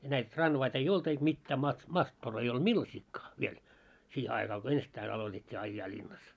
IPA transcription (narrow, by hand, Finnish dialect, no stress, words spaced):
jɑ næit trɑnʋɑit ei olt eik mitːæː mɑ mɑtːor ei old̥ milːɑsikːɑː ʋiel siːhe ɑikɑ ko ensitːæin ɑlotetʲːiː ɑijːɑː lʲinːɑs